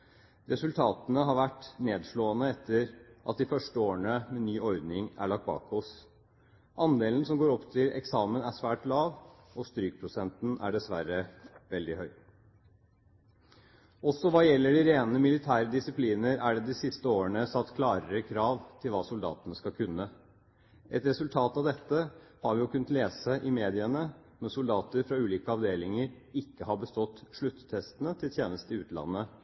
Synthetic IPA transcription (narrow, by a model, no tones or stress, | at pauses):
ɾɛsʉlt̪ʰɑːt̪ənəɦɑɾʋæʈːneːd̪ʂɭoːənəɛt̪ʰːəɾʔɑt̪̚d̪ɪfœʂʈəoːəɳəmɛnyːɔɾd̪nɪŋæ̰ɭɑk̚t̪̚bɑ̰ːkʰɔs | ʔɑnd̪eːlən̩sɔmɡoːɾɔpːt̪ʰɪlɛ̰ksɑːmənæʂʋæːʈlɑːʋ | ɔst̪ɾyːk̚pʰɾʊsɛnt̪n̩æ̰ɖɛsʋæɾəʋɛld̪ɪhœʏ | ɔsɔʋɑːjɛlːəɖɪɾeːnəmɪlɪt̪ʰæːɾəd̪ɪsɪpʰliːnəɾæɖɛd̪ɪsɪst̪əoːəɳəsɑt̪ːkʰlɑːɾəɾəkʰɾɑːʋt̪ʰɪlʋɑːsʊld̪ɑ̰ːt̪ənəskɑkʰʉnːə | ʔɛt̪ɾɛsʉlt̪ʰɑːt̪ɑʋd̪ɛt̪ːə | hɑɾʋɪjʊkʰʉnːət̪leːsəʔɪmeːd̪ɪənə | mɛnsʊld̪ɑːt̪əɾfɾɑʉːliːkəɑʋd̪eːlɪŋəɾ | ɪkːəhɑbəst̪ɔt̪ːʂɭʉt̪ːt̪ʰɛst̪ənət̪ʰɪlt̪ʰjeːnəst̪əɪʉːt̪lɑ̰nːə